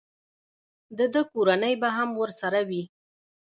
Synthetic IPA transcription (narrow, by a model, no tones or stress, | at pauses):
d̪əd̪əkoɾanəjbaɦamwəɾsaɾawi